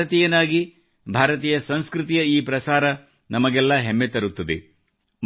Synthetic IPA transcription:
ɐt̪iːjɐnaːɡi | bʱaːɾɐt̪iːjɐsɐnskɾɨt̪ijɐiːpɾɐsaːɾɐ | nɐmɐɡɛlːɐɦemːet̪ɐɾut̪ːɐd̪ḛ | m

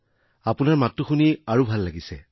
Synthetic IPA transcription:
apunaɹmatːuxuniaɹubʱalːaɡisɛ

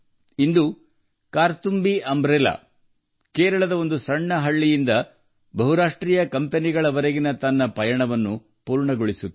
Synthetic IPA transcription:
ind̪u | kaːɾt̪umbiʔɐmbɾela̰ː | keːɾɐɭɐd̪ɐo̞nd̪usɐɳːɐɦɐɭːijind̪ɐ | bɐɦuɾaːʂʈɾiːjɐkɐmpeniɡɐɭɐʋɐɾɐɡinɐt̪ɐnːɐpɐjɐɳɐʋɐnːu | puːɾɳɐɡoɭisut̪ː

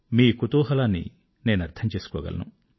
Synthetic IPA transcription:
miːkut̪uːɦɐlaːnːḭ | ne̞ːnuɐɾt̪ʰɐmt͡ʃe̞ːsu̥kɔːɡɐ̰lɐ̰nṵ

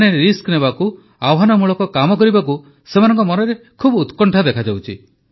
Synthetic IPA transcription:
neɾeɾisknebaku | awɦanɔmuɭɔkɔkamɔkɔɾibaku | semanɔŋkɔmɔnɔɾe | kʰubut̪kɔɳʈʰad̪ekʰad͡ʒawt͡ʃʰi

